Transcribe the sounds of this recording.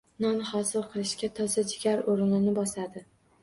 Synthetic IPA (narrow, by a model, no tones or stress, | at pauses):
nɒnχɒsɪlˠqʰɨlˠɪʃkʲat̪ʰɒsad͡ʒɪɡʲaɾoɾɪnɪnɪbɒsad̪ɪ